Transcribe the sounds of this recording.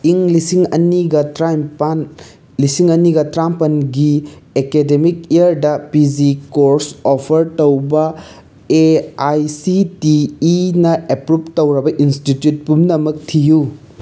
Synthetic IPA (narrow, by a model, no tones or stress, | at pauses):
iŋlisiŋɐniɡɐtɾajmpan | lisiŋɐniɡɐtɾampɐnɡiekedemikijɐɾdɐpid͡ʒikoɾsopʰɐɾtowbɐ | eajsitiːnɐepɾup̚tɐwɾɐbɐʔinstitjut̚pumnɐmɐk̚tʰiju